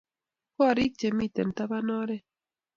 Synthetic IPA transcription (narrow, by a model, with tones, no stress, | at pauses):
ko˦a˨ɾi˦k̚t͡ʃe˨mi˦˨t̪e˨n˨t̪a˦βa˦nɔ˦ɾe˦